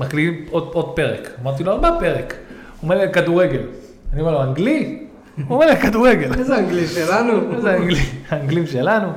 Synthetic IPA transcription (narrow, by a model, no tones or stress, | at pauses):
maklidimodo̞d̪̚pe̞ʁekamaʁt̪̬iloaʁbape̞ʁek | omeʁlikad̪uʁeɡe̞l | aniome̞loaŋɡli | omeʁlikad̪uʁeɡe̞lzeaaŋɡliʃelanuezeaŋɡliaːŋɡlimʃelanu